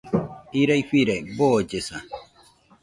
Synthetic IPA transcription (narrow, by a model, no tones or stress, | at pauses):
iɾajɸiɾajbod͡ʒesa